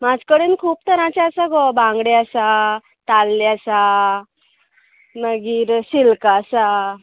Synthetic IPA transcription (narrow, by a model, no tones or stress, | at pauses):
mad͡zʱkəɽenkʰuːp̚t̪əɾãt͡ɕaəsaɡɔbãŋɡɽeəsa | t̪alːjəsa | nəɡiːɾɕilkasa